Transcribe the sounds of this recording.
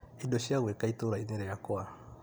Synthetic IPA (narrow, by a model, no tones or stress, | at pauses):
idɔʃjaɣwɛkaitoɾaineɾɛjakwa